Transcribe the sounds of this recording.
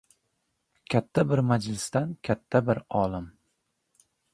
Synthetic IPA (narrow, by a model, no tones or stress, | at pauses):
kʲʰat̪ʰːabɪɾmad͡ʒlɪst̪ankʲʰat̪ʰːabɪɾɒːlˠɪm